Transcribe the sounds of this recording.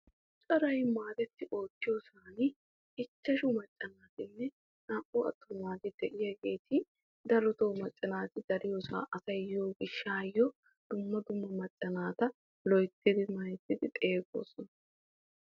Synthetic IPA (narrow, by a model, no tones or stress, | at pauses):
t͡ʃʼɐɾɐjmaːd̪ɛt̪ːɪʔo̞ːt̪ːɪjosaːnɪ | ɪt͡ʃːɐʃʊmɐt͡ʃʼːɐnaːt̪ɪnːɛ | naːʔʊɐ̰t̪ːomaːd̪ɪd̪ɛʔɪjɐɡe̞ːt̪ʰɪ | d̪ɐlɔt̪oːmɐt͡ʃʼːɐnaːt̪ɪd̪ɐɾɪjoːsa̰ːʔɐsɐjjoːɡɪʃːaːjːɔ | d̪̥ʊmːɐd̪ʊmːɐmɐt͡ʃʼːɐnaːt̪ɐ | lɔjt̪ːɪd̪ɪmɐjɛt̪ːɪd̪ɪt̪ʼe̞ːɡo̰ːsɔnɐ